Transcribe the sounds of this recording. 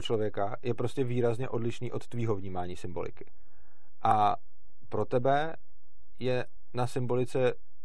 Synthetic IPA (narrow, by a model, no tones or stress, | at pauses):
ot͡ʃlo̞vjɛkajɛpɾo̞scɛviːɾazɲɛʔo̞dlɪʃniːʔo̞t̪ːviːɦo̞vɲiːmaːɲiːsɪmbo̞lɪ̰kɪ̥ | ʔa | pɾo̞t̪ɛbɛ | jɛ | nasɪmbo̞lɪt͡sɛ